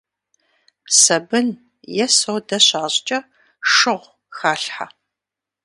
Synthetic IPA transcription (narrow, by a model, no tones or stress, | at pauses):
sɐbɨn | jɛsowdɐɕaːɕʼt͡ʃʼɐ | ʂɨʁʷ | xaːɬħa